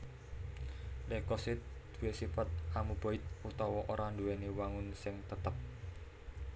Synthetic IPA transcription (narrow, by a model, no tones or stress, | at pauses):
lekɔsɪt̪̚d̪̥ṳwesifat̪̚amub̥oɪt̪̚ut̪ɔwɔʔoɾʔanduweniwaŋʊnsɪŋt̪ət̪əp̚